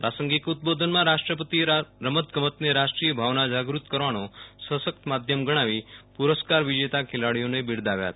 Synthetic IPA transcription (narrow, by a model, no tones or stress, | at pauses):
pɾasəŋɡikut̪̚bod̪ʱənmãɾaʃʈɾəpət̪iɾəmət̪ɡəmət̪neɾaʃʈɾijəbʱaʋnad͡ʒaɡɾut̪kəɾʋanosəsək̚t̪əmad̪ʱjəmɡəɽ̃aʋipuɾəskaɾʋid͡ʒet̪akʰelaɽijonebiɽd̪aʋja̰t̪